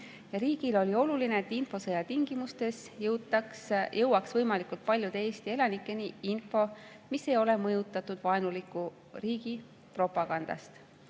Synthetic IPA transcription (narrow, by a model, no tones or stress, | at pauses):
jɑɾiːɡ̥ilo̞lʲio̞lulineet̪ːˑinfo̞sɤjɑt̪iŋɡ̥imust̪e̞s | jɤwkjɤwɑksvɤjmɑlikult̪̚pɑlʲjut̪e̞ːst̪ie̞lɑnikːˑe̞niinfo̞ | mise̞jo̞le̞mɤjut̪ːˑɑt̪ːˑud̪̥vɑenulikːˑu | riːɡ̥i | pro̞pˑɑɡ̥ɑnd̪̥ɑ̰st̪